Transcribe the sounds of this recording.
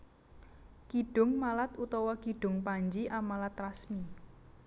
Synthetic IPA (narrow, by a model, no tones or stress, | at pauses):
kiɖ̥ʊ̤ŋmalat̪ut̪ɔwɔkiɖ̥ʊ̤ŋpaɲd͡ʒiʔamalat̪rasmi